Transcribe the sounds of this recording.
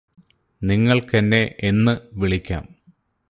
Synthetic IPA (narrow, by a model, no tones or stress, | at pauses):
niŋːɐɭkɐnːe̞ʔenːɨʋiɭikʲːa̰ːm